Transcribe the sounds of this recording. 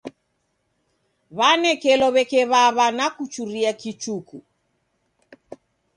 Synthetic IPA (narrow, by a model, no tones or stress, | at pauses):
βanɛkɛlɔβɛkɛβaβanakut͡ʃuɾiakit͡ʃuku